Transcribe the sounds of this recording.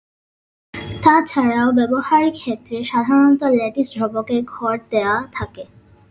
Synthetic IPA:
t̪at͡ɕʰaɾaobɛbohaɾikʰet̪ːɾeʃad̪ʱaɾonɔt̪olɛʈisd̪ʱɾɔbokeɾɡʱɔɾd̪eoat̪ʰake

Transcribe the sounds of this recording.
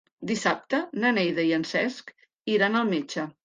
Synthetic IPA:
d̪isap̚t̪ənənejðəiənsɛsk | iɾanəlˠmet͡ʃə

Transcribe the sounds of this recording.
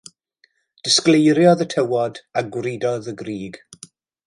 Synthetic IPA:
d̥ɪsklejɾjɔðətʰəwɔdaɡwrɪdɔðəɡriːɡ̥

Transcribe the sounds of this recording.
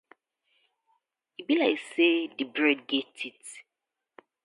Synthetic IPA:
ibilaɪksedibɹɛd̚ɡetʰit

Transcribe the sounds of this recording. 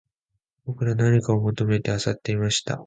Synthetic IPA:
b̥o̞kɯ̟ɾanaɲ̟ikaomo̞t̪o̞me̞t̪e̞asat̪ːe̞imaɕi̥t̪a̰

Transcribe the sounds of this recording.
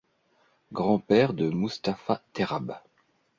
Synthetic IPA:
ɡʁɑ̃pɛʁd̪əmust̪afat̪eʁab

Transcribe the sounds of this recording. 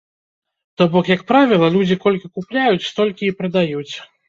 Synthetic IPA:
t̪ɔbɔkjɐkpɾavʲilˠɐlʲud͡zʲikɔlʲkʲikuplʲajut͡sʲst̪ɔlʲkʲiːpɾɐd̪ajut͡sʲ

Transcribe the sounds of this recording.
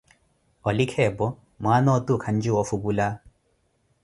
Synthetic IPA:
ɔlikʰɛbɔ | maːnɔːt̪ukʰaɲd͡ʒuɔfubula

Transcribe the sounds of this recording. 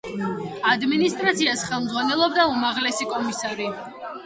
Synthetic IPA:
ad̪minist̪ʼɾat̪sʰiasχɛlˠmd̪zʁwanɛlˠɔbd̪aumaʁlɛsikʼɔmisaɾi

